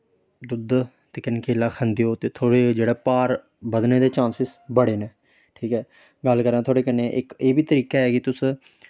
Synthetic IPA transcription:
d̪ʊd̪ | t̪eːkɪnkʰeːlaːkʰənd̪ːoːt̪eːt̪ʰoːɽeːd͡ʒeːɽɛːpaːɾ | bəd̪neːd̪eːt͡ʃãːnsɪsbəɽeːneː | ʈʰiːkɦɛː | ɡəlkəɾãːt̪ʰoːɽeːkəneːʔɪkeːbiːt̪əɾiːkaːɛːɡit̪ʊs

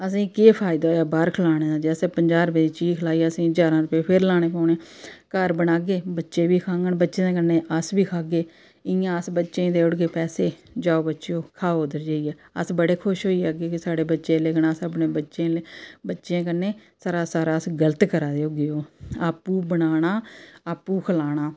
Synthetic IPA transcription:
əs̬ĩːkeːpʰaːɪd̪aːjaːbəɾkʰəlaːɽ̃eːaːd͡ʒɛːseːpəɲd͡ʒaːɾpeiːt͡ʃiːkʰəlaːiːaːəsĩːd͡ʒaːɾãːɾʊpeːpʰɪɾlaːɽ̃eːpaːɳeːkəɾbəɽaːɡeːbətːʃeːbiːkʰãːŋɡəɳbətːʃẽkənːeːʔəsbiːkʰaːɡeː | ɪjãːəsbətːʃẽːd̪eːʊɽɡeːpɛːseː | d͡ʒaːoːbətːʃeoːkʰaːoːd̪əɾd͡ʒaːiːɛː | əsbəɽeːkʰʊʃɦoːiːɛːɡeːkɪsaːɽeːbətːʃeːleːkʰnaːsəpneːbətːʃẽːlebətːʃẽːkənːeːsaːɾaːsaːɾaːsɡələt̪kəɾaːd̪eoːɡɪoːaːpːuːbəɽaːɽ̃aːaːpːuːkʰəlaːɽ̃aː

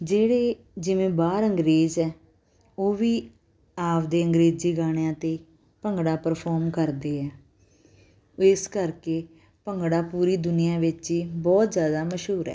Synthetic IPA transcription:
d͡ʒeːɽeː | d͡ʒɪʋẽːbaːɾəŋɡɾeːzɛː | oːʋiː | aːʋd̪eːəŋɡɾeːd͡ʒiːɡaːɽ̃ejãːt̪eː | pəŋɡɽaːpəɾpʰɔːɾmkəɾd̪eːɛː | ɪskəɾkeː | pəŋɡɽaːpuːɾiːd̪ʊnɪjãːʋɪt͡ʃiːbɔːt̪zjaːd̪aːməʃɦuːɾɛ̰ː

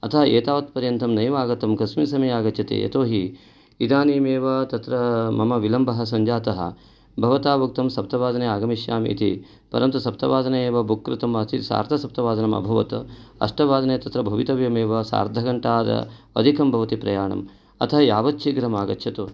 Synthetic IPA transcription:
ɐt̪ʰɐɦɐeːt̪aːʋɐt̪̚pɐɾjɐnt̪ʰɐmnɐjʋaːɡɐt̪ɐmkɐsmisɐmɐjaːɡɐtt͡ʃʰɐt̪ḛːjḛt̪oːɦi | id̪aːniːmeːʋɐt̪ɐt̪ɾɐmɐmɐʋilɐmbɐɦɐ̆sɐɲd͡ʒaːt̪ɐɦɐ̰ | bʱɐʋɐt̪aːʋuk̚t̪ɐmsɐp̚t̪ɐʋaːd̪ɐneːaːɡɐmiʃjaːmḭːt̪i | pɐ̰ɾɐmt̪ɐsɐp̚t̪ɐʋaːd̪ɐnɐeːʋɐbʱukːɾɐt̪ɐmɐt̪ʰisa̰ːɾd̪ʱɐsɐp̚t̪ɐʋaːd̪ɐnɐmɐ̰bʱɐʋɐt̪ɐɐ̰ʂʈɐʋaːd̪ɐneːt̪ɐt̪ɾɐbʱɐʋit̪ɐʋjɐmeːʋɐsa̰ːɾd̪ʱɐɡɐɳʈaːd̪ɐ̰ | ɐ̰d̪ʱikɐmbʱɐʋɐt̪ipɾɐjaːɳɐ̰m | ɐ̰t̪ʰɐɦɐjaːʋɐt̪̚t͡ʃʰiɡɾɐmaːɡɐtːʃʰɐt̪u

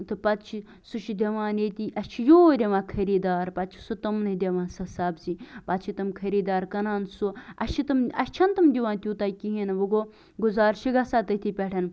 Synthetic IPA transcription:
t̪ɨpɐt̪t͡ʃʰi | suʃʰid̪ʲɐʋãːnet̪iʔɐt͡ʃʰijoːɾʲeʋãːkʰɐɾiːd̪aːɾpɐt̪t͡ʃʰi̥sut̪ɐmnɨd̪ʲeʋãːsɐsabzipɐt̪t͡ʃʰit̪ɐmkʰɐɾiːd̪aːɾkɐnaːnsuɐt͡ʃʰit̪ɨmɐst͡ʃʰɐnt̪ɨmd̪ʲiʋãːnt̪ʲuːt̪aːkiɦinɨʋɐɡoː | ɡuzaːɾʃiɡasaːt̪ɐt̪ʰipʲɛʈʰɐn

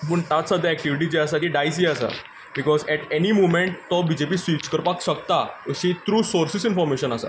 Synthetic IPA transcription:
pəːɳt̪at͡ssəd̪ʱaɛk̚ʈiʋiʈ̬id͡ʑeasat̪iɖajs̬iəsa̰ | bikɔzɛʈenimomẽɳʈt̪ɔbid͡ʑepiːsit͡ɕkəɾpakɕəkt̪aəɕit̪ɾuːsoɾsisinfɔɾmeɕənasa̰

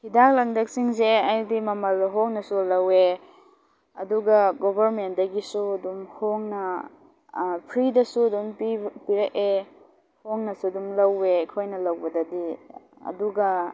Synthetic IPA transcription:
hidak̚lɐŋdɐk̚siŋzeajdimɐmɐlɦoŋnɐsulɐwe | ɐduɡɐɡobɐɾmendɐɡisuɐdumhoŋnɐ | pʰɾidɐsuɐdumpipiɾɐʔe | hoŋnɐsuɐdumlɐwekʰojnɐlɐwbɐdɐdi | ɐ̰duɡɐ

